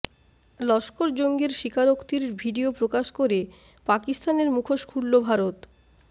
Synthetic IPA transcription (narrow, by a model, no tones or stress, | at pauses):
lɔʃkoɾd͡ʑoŋɡeɾʃikʰaɾokt̪iɾbʱiɖiopɾokaʃkoɾe | pakist̪aneɾmukʰoʃkʰuɽːobʱaɾot̪